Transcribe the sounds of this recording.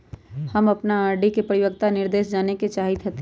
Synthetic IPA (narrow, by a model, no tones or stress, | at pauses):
həmɐpnaaːɾɖikepəɾɪjəkt̪anɪɾd̪eːʃd͡ʒaːneket͡ʃaːɦit̪ɦɐt̪